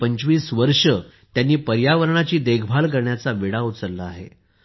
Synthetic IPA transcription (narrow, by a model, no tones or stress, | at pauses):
əɲt͡ɕʋiːsʋəɾʂət̪janːiːpəɾjaʋəɾɳat͡ɕiːd̪eɡʰʱbʱalkəɾɳjat͡saʋiɽaut͡səlːəaɦḛ